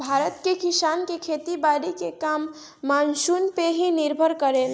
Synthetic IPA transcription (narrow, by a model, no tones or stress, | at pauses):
bʱaɾət̪kekisankekʰet̪ibaɾikekamː | ansunpeɦiniɾbʱəɾkəɾel